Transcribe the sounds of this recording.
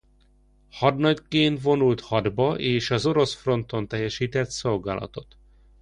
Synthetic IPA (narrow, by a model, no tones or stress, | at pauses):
hɒd̪nɒɟkeːnt̪vo̞nult̪hɒd̪bɒʔeːʃɒzo̞ɾo̞sfro̞nt̪o̞nt̪ɛjːɛʃiːt̪ɛt̪so̞lɡa̰ːlɒ̰t̪o̞t̪